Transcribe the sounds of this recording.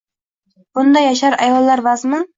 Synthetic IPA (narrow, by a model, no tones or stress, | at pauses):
b̥ʊnd̪ajaʃ̬aɾajɒlˠːaɾvazmɪ